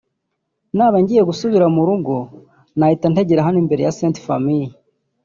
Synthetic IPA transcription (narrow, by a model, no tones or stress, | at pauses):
naːβaɲɟije̞ɡusuβiɾamuɾuɡu | nahitanteɟeɾaɦanimbe̞ɾe̞̰jaseːntfamiji